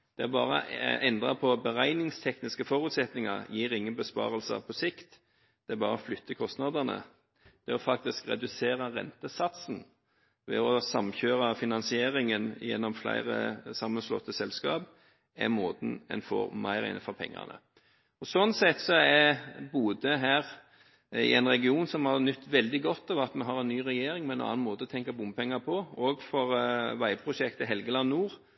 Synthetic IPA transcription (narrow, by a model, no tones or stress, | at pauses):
d̪̥ɛæɾbɑːɾə̰ɛnd̪ʁɑpʰɔbəʁæɪnɪŋst̪ʰɛknɪskəfɔɾʉːt̪sɛt̪nɪŋɑɾjiːʁɪŋːənbəspɑ̰ːʁəlsə̰pʰɔsɪkt̪ | d̪̥ɛæbɑːɾəɔflʏt̪ʰːəkʰɔst̪nɑd̪ənə̰ | d̪̥ɛɔfɑk̚t̪ɪskʁɛ̰d̪ʉseːɾəʁɛ̰nt̪əsɑt̪sn̩ | ʋɛ̰ɔsɑmçøːɾɑfɪnɑnsɪeːʁɪŋənɪ̰jɛnːɔmflæ̰ɪʁə̰sɑmːənslɔ̰t̪ːəsɛlskɑ̰ːb | ɛ̰moːt̪n̩ɛ̰nfɔ̰ʁmæɪʁæ̰ɪnəfɔɾpʰɛ̰ŋːɑ̰ʁnə̰ | ɔsɔnsɛt̪ːsɔɛbuːd̪əɦæːʁ | ɪ̰ɛ̰ɪnʁɛɡɪuːnsɔmhɑʁnʉt̪ːʋɛld̪ɪɡɔt̪ːɑʋɑt̪mɛɦɑɾɛnːyːʁɛjeːɾɪŋmɛɛnɑ̰nɑnmoːt̪əɔt̪ʰɛŋkɑbʊmpʰɛŋːɑpʰɔɔɡfɔʁʋæɪpʰɾʊʃɛkt̪əɦɛlɡəlɑnnːuːʁ